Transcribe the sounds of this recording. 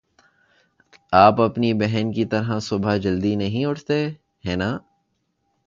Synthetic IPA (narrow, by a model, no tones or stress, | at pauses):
aːpɐpnibɛɦɛnkit̪ɐɾɦãsʊbʱad͡ʒɐld̪inɐɦĩʊʈʰt̪e | hɛːnaː